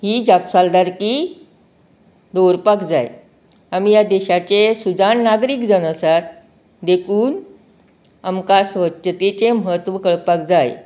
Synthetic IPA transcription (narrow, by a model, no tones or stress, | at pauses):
ɦiːd͡ʑapsald̪aɾki | d̪oɾpakd͡zaj | amijad̪eɕat͡ɕesud͡zannaɡɾiːkd͡zənəsat̪ | d̪ekʰuːn | amkasʋətɕət̪et͡seməɦət̪ʋəkəɭpak̚d͡zaj